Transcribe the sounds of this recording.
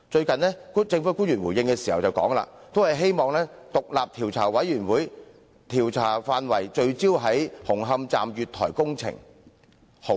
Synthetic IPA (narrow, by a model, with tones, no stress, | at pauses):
t͡ʃɵ˧ɥkɐ˨nlɛː˥ku˥t͡sɪ˧ŋfuː˨˥kuː˥njy˨˩wuː˨˩jɪ˧ŋkɛː˧siː˨hɐ˨˩wt͡sɐ˨˩wkɔ̰ː˨˥ŋla̰ː˧t̪o˥whɐ˨˩jɦe˥jmɔː˨ŋlɛː˥t̪ʊ˨k̚laː˨p̚t̪ʰiː˨˩wt͡sʰa̰ː˨˩wɐ˨˥jjyː˨˩nwuː˨˥j | t̪ʰiː˨˩wt͡sʰaː˨˩faː˧nwɐ˨˩jt͡ʃɵ˧ɥt͡siː˥wɦɐ˨˥jhʊ˨˩ŋɦɐ˧mt͡sa̰ː˨mjyː˨t̪ʰɔ̰ː˨˩jkʊ˥ŋt͡sʰɪ̰˨˩ŋ | ho˨˦˥